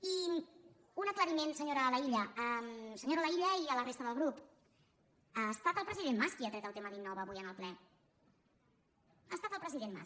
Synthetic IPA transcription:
i | unəkləɾimensəɲoɾələiʎəəmsəɲoɾələiʎəiələrest̪əðəlˠɣɾup | əst̪at̪əlˠpɾəziðenmaskiat̪ɾɛt̪əlˠt̪eməðinːɔβəːβujənəlˠplɛ | əst̪at̪əlˠpɾəziðenma̰s

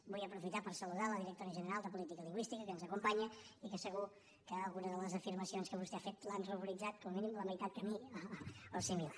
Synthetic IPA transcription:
bujəpɾufit̪apəɾsəluðaləðiɾək̚t̪oɾiəʒənəɾalˠd̪əpulit̪ikəliŋɡwist̪ikəkənzəkumpaɲəikəsəɣu | kəːlˠɣunəðələzəfiɾməsionskəβ̞ust̪ɛafet̪lanruβuɾid͡zat̪̚kɔməminimləməjt̪at̪̚kəmi | əsimila

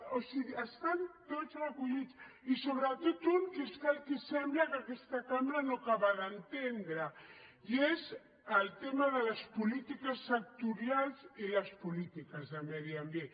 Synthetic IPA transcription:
osiɣiəst̪ant̪ot͡srakuʎit͡sisoβɾat̪ot̪uŋkesk̪alkisemblakakest̪akamɾanokaβaðant̪end̪ɾajez | əlt̪emaðəlaspulit̪ikasːak̚t̪uɾjalzilaspulit̪ikazðəmeðiambjen

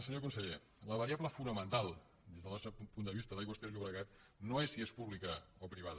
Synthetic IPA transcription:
səɲokunsəʎe | ləβəɾiaβləfunəmənt̪alˠ | d̪ezðəlˠnɔst̪ɾəppund̪əβist̪əðaiɣwəst̪eʎuβɾəɣat̪̚ | noesːiespuβlikəopɾiβ̞aðə

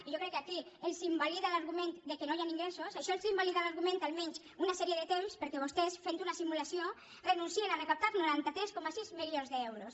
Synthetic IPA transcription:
iʒokɾɛkːakielˠsimbaliðalaɾɣumẽnt̪d̪ekenojaniŋɡɾesusaʃɔelsimbaliðalaɾɣumẽnt̪alˠmɛɲs | unasɛɾieðet̪emspəɾkɛβost̪ɛsfent̪unasimulasio | renunsienanekap̚t̪aɾnuɾant̪at̪ɾɛskɔmasizmilionzðəɛwɾos

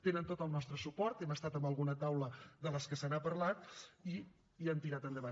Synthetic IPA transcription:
t̪enənt̪ot̪əlˠnɔst̪ɾəsupɔɾt̪ɛməst̪at̪əmbəlˠɣunət̪awləd̪ələskəsənapəɾlat̪̚i | iənt̪iɾat̪ənd̪əβa

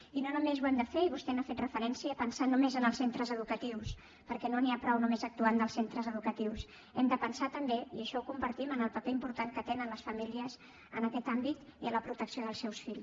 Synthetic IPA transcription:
inonumezwɛmd̪əfeiβust̪ɛnafet̪rəfəɾɛnsiəpənsanumezənəlˠsent̪ɾəzəðukət̪iws | pəɾkɛnoniapɾɔwnumezək̚t̪uand̪əlˠsent̪ɾəzəðukət̪iws | ɛmd̪əpənsat̪əmbeiəʃɔukumbəɾt̪imənəlˠpəpeimpuɾt̪aŋkət̪enənləsfəmiliəz | ənəkɛt̪ambit̪iələpɾut̪əksioðəlˠsɛwsfiʎ

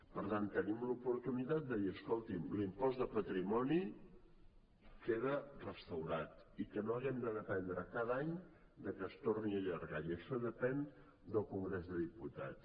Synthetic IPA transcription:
pəɾt̪ant̪ːənimlupuɾt̪unit̪at̪̚d̪əðiəskolˠt̪imlimpɔzd̪əpət̪ɾimɔni | keðərəst̪əwɾat̪ikənoəɣɛmd̪əðəpɛnd̪ɾəkaðaɲ | d̪əkəst̪orniəʎəɾɣajiəʃɔðəpɛn | d̪əlˠkuŋɡɾezðəðiput̪a̰t̪t͡s

